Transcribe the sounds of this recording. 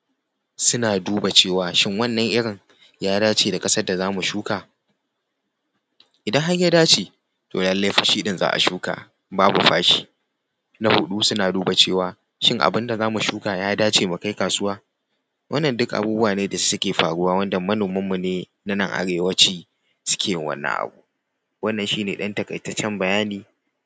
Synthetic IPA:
sʊ˦naː˨duː˦ba˨t͡ʃeː˦˨waː˨ʃɪ˦ŋwɐ˦nːɐ˨ŋʔɪ˦ɽɪ˨ŋ | jaː˦daː˦t͡ʃeː˨da˨kʼɐ˦sɐ˦rda˨zaː˦mu˨ʃuː˦kaː˨ | ʔɪ˨dɐ˦ŋɦa˦ɲja˦daː˦t͡ʃeː˨ | to̰ː˨lɐ˦lːe˦ɸɐ˨ʃi˦ɪ˦nza̰ː˦ʔa̰˨ʃuː˦ka̰ː˨ | baː˦bu˨ɸaː˦ʃi̥ː˦ | na˦hʊ˦ɗu˦sʊ˦naː˨duː˦ba˨t͡ʃeː˦˨waː˨ | ʃɪ˦ŋʔa̰˨bɪ˦nda˨zaː˦mu˨ʃuː˦kaː˨jaː˦daː˦t͡ʃeː˨mu˨ka˦jkaː˨sʊ˦waː˦ | wʔɐ˦nːɐ˨ndʊ˦kʔa̰˨buː˦bʊ˦waː˨neː˦da˨ssʊ˦kʲeː˨ɸaː˨ɽu˦waː˦wɐ˦ndɐ˨mːɐ˦noː˨mɐ˦mːu˨neː˦ | na˦nɐ˦˨ŋʔa̰˨ɽeː˨wɐ˦t͡ʃiː˦ | sʊ̥˦kʲʰeː˨jɪ˦ŋwɐ̰˦nːɐ̰˨ŋʔa̰˨bu˦ | wɐ˦nːɐ˨nʃiː˦neː˨ɗɐ˦ntɐ˨kɐ˨jtɐ˦t͡ʃɛ˦mbɐ˨jaː˦niː˨

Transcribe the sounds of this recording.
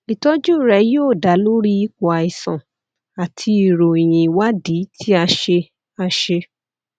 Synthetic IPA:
i˨tɔ˦d͡ʒu˦˨ɾɛ˧˦joː˦˨da˨˦lo˦ɾi˦i˦ko˧a˨i˨sã̰˨ | a˨tʰi˧i˨ɾo˨i˨j̃ĩ˨wa˦di˨˦tʰi˦a˧ʃe˧ | a˧ʃe˧

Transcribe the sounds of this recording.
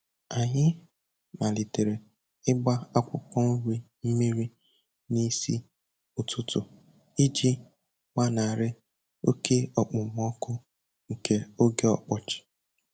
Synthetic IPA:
a˨ɲɪ˦ | ma˨li˨te˨ɾe˨ | ɪ˦ɡ͡ba˦a˦kʷʊ˨kɔ˦n̩˦ɾi˦ | m̩˦mi˦ɾi˦ | ni˦sḭ˦ | ʊ˨tʰʊ˦tʊ˨ | i˦d͡ʒi˦ | ŋa˦na˨a˨ɾɪ˦ | o˦kʰe˦ɔ˨k͡pʊ˨m̩˦ɔ˦kʊ˦ | ŋ̩˨kʰe˦o˦ɡe˦ɔ̰˨k͡pɔ˨t͡ʃɪ̥˨

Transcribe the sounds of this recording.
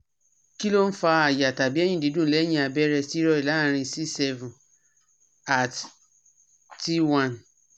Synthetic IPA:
ki˦lo˦n̩˦fa˧a˨ja˨ta˨bi˦ɛ˦j̃ĩ˦˨di˨˦dũ˦˨˦lɛ˨˦jĩ˧˦a˨bɛ˦ɾɛ˧si˦ɾɔ˧i˨la˨˦ɾ̃ĩ˧si˦sɛ˧vũ˨ | a˨t | ti˦wã˦˨n

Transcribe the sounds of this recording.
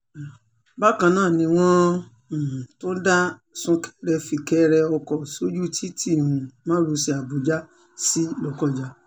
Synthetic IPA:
ba˦kã˧nãː˦˨nĩ˧w̃ɔ̃˦˨ | to˦n̩˦da˦sũ˧kʰɛ̥˦ɾɛ˧fi˧kɛ˦ɾɛ˧ɔ˧kɔ˨so˦d͡ʒu˦tʰi˦ti˦˨ɾũ˧mãː˦ɾu˨˧˦si˧a˨bu˨˦d͡ʒa˦ | si˦lɔ˨kɔ˦˨d͡ʒa˨

